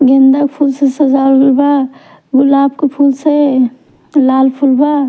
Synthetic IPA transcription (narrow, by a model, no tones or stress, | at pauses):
ɡẽnd̪akpʰulsesəzaɾulba | ɡʊlaːb̚kepʰulse | laːlpʰulba